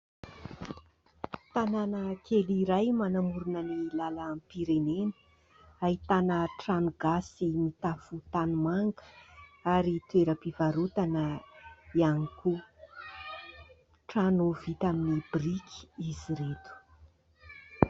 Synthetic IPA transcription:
t̪ananəkʰeliɾajmanamuɾunənilalampiɾenenə̥ | aɦit̪anəʈ͡ʂanuɡ̥asimit̪afut̪anumaŋɡə̥aɾit̪ueɾəpivaɾut̪anəianikʰu | ʈ͡ʂanovit̪aminibrikʰi̥iziɾet̪u̥

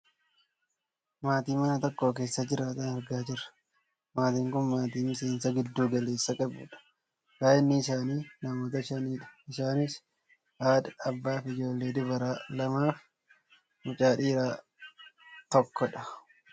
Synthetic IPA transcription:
maːt̪iːmɐnɐt̪ɔkːoːk̬e̞ːsːɐd͡ʒɪɾaːt̪ɐnɐɾɡaːd͡ʒɪɾɐ̥ | maːt̪iːŋkʊnmaːt̪iːmɪse̞ːnsɐɡɪd̪ːuːɡɐle̞ːsːɐkʼɐbṵːᶑɐ̥ | kaːʔɪnːɪːsaːniːnɐmoːt̪ɐɪʃɐniːᶑɐ̥ɪsaːnɪs | haːd̪ɐɐbːaːfɪd͡ʒo̞ːlːe̞ːd̪ɪbɐɾaːlɐmaːf | mʊt͡ʃʼaːᶑiːɾaː | t̪ɔkːɔᶑɐ̥

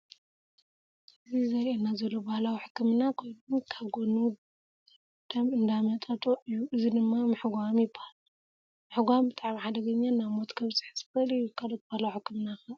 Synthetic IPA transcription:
ʔɨzizɐɾʔenːazɐlːo̞bahlawiħɨ̥kːɨmɨnakʰo̞jnunkʰaβɡonu | d̪̥ɐmɨnd̪amɐt̪ʼɐt̪ʼoʔɨjːuʔɨzid̪ɨmːamɨħɡʷamjɪbːahal | mɨħɡʷambɨt̪ʼaʕmiħad̪ɐɡɐɲːanamot̪ʼkʰɐβsʼɨ̥ħsɨ̥xɐlɨjːukʰalot̪̚bahlawħɨkːɨmnaxɐ

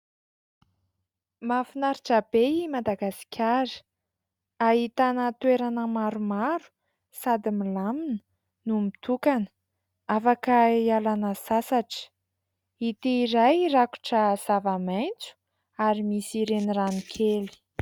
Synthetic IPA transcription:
mafinaɾiʈ͡ʂabeimad̪aɡasi̥kʲʰaɾə̥ | aɦit̪anət̪weɾanəmaɾumaɾu̥ | sad̪imilaminə̥ | numit̪ukanə̥ | afakəialanəsasaʈ͡ʂə̥ | it̪iːɾajraku̥ʈ͡ʂəz̥avamajnt͡su̥ | aɾimisiɾeniranikʰeli̥

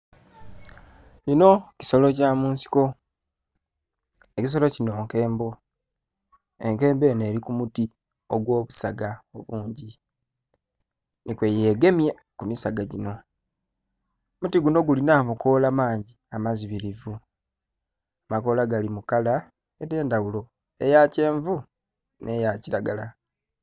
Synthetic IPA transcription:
ino̞ci̥so̞lo̞caːmuːnsi̥ko̞ | ecis̬o̞lo̞cino̞ːŋke̞ːmbo̞ | e̞ŋke̞ːmbe̞ːne̞ːɾikumuti | o̞ɡwo̞ːβusaɡao̞βuːɲɟi | nikwejeɡe̞mje | kumisaɡaɟino̞ | mutiɡuno̞ɡulinaːmuko̞lamaːɲɟiamaziβiɾivu | amako̞laɡalimukala | ede̞ːndawulo̞ | e̞jace̞ːɱvu | nʔe̞jaciɾaɡala

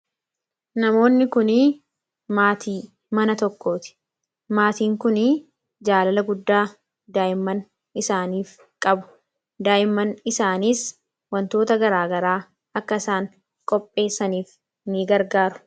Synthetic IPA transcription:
nɐmo̞ːnːɪkʊniː | maːt̪ʰiː | mɐnɐt̪ɔkːo̞ːt̪ɪ̥ | maːt̪iːŋkʊni | d͡ʒaːlɐlɐɡʊd̪ːaː | d̪aːʔɪmːɐn | ɪsaːniːf | kʼɐbʊ̥ | d̪aːʔɪmːɐnɪsaːniːs | wɐnt̪o̞ːt̪ɐɡɐɾaːɡɐɾaː | ɐkːɐɪsaːŋ | kʼɔpʼːe̞ːsːɐniːf | niɡɐɾɡaːɾʊ̥

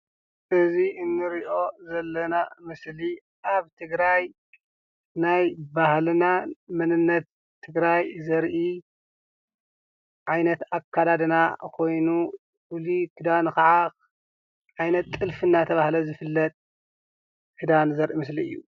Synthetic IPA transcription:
ʔɨziʔɨnːɨɾiʔo̞zɐlːɐnamɨsli | ʔaβt̪ʰɨɡɾaj | najbahlnamɨnɨnːɐt̪ʰː | ɨɡɾajzɐɾʔi | ʕajnɐt̪akʰːad̪ad̪nakʰo̞jnu | fulikʰɨd̪anxɐʕa | ʕajnɐt̪ʼːɨlfɨnat̪ʰɐβahlɐzɨfɨlːɐt̪ʼ | kʰɨd̪anzɐɾʔimɨs̬liɨjːṵ

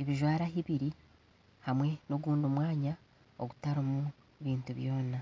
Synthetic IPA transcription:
eβiʒwaːɾaɦiβiɾi | hamwe̞noɡuːndumwaːɲa | oɡutaɾomu | βiːntuβjo̞ːna

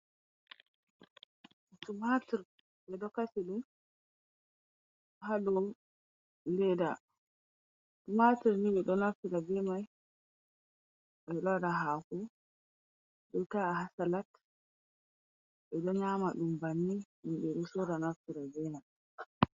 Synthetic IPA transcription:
tumatiɾ | ɓɛdɔkasiɗum | haɗɔ | lɛda | tumatiɾniɓɛɗɔnaftiɾabɛmaj | ɓɛlɔdaɦaku | ɗɔtahasalat | ɓɛɗɔɲamaɗumbanːinumɓɛɗusɔdanaftiɾabɛmaj

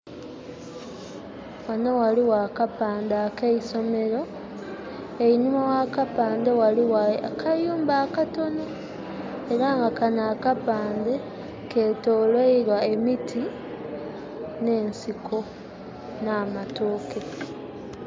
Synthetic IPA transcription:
wanowaliwakapaːndaːkeiso̞me̞ɾo̞ | eiɲumawakapaːndewaliwakʰajuːmbaːkato̞no | e̞ɾaːŋɡakanaːkapaːnde̞ | ke̞ːtoːlweiɾwae̞mitʰi | ne̞ːnsikʰo̞ | naːmatoːke

